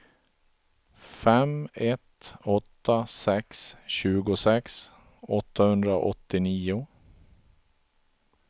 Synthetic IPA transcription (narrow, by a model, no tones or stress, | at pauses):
fɛmɛt̪ɔt̪ːasɛksɕʉ̟ːɡʊsɛks | ɔt̪ːahɵnd̪ɾa̰ʔɔt̪ːɪniːʊ